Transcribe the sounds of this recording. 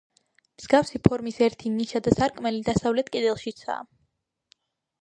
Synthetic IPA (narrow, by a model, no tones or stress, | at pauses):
mz̥ɡafsipʰɔɾmisɛɾt̪ʰiniʃad̪asaɾkʼmɛlid̪asavlɛt̪kʼid̪ɛlˠʃit̪sʰa̰ː